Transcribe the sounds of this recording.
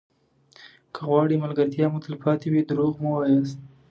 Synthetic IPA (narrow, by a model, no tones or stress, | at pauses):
kʰəɣwɑɽimalɡaɾt̪jɑmʊt̪ɪlpɑt̪iwid̪ɾoɣmuwɑjɑst̪̚